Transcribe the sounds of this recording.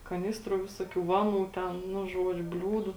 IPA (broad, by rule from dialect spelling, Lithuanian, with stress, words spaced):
kɐˈnʲɪstruː ˈʋʲɪsoːˌkʲuː ˈʋɑːˌnuː tʲɛn nʊ ˈʒuɔd͡ʒʲʊ ˈbʲlʲuːdʊ